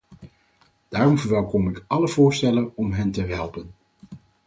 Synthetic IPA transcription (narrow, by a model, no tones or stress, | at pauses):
d̥aːrɔmvəɹʋɛlˠkɔmɪkɑləvʊːɹstɛlənɔmɦɛntəɦɛlˠpən